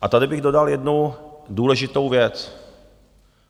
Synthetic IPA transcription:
ʔat̪adɪbɪɣdo̞daljɛdnuduːlɛʒɪt̪o̞wvjɛt͡s

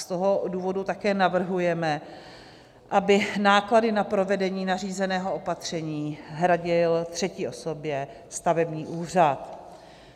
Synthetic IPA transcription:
st̪oɦo̞duːvo̞dut̪akɛːnavr̩ɦujɛmɛ | ʔabɪnaːkladɪnapɾo̞vɛdɛɲiːnariːzɛnɛːɦo̞o̞pat̪r̝̥ɛɲiːɦɾaɟɪlt̪r̝̥ɛcɪʔo̞so̞bjɛ | st̪avɛbɲiːʔuːr̝at̪

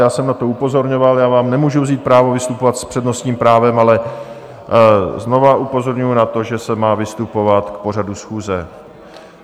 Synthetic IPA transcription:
jaːsɛmnat̪o̞upo̞zo̞ɾɲo̞valjaːvaːmnɛmuːʒuvziːt̪̚pɾaːvovɪst̪upo̞vat̪spr̥ɛdno̞st̪ɲiːmpɾaːvɛmalɛ | zno̞vaʔupo̞zo̞ɾɲujunat̪o̞ʒɛsɛmaːvɪst̪upo̞vat̪kpo̞r̝adusxuːzɛ

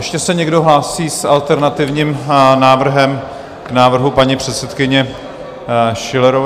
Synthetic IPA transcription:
ɛʃcɛsɛɲɛɡdo̞ɦlaːsiːsalt̪ɛɾnat̪ɪvɲiːmnaːvr̩ɦɛm | knaːvr̩ɦupaɲipr̝̥ɛt̪sɛt̪kɪɲɛ | ʃɪlɛɾo

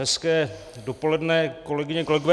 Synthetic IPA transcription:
ɦɛskɛː | do̞po̞lɛdnɛːko̞lɛɡɪɲɛko̞lɛɡovɛ

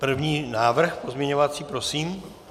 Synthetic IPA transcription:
pr̩vɲiːnaːvr̩xpo̞zmɲɛɲovat͡siːpɾo̞siːm

